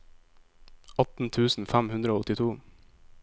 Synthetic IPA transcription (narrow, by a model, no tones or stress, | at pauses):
ɑt̪n̩t̪ʰʉːsn̩fæmhʉnd̪ɾəoːɔt̪ɪt̪ʰuː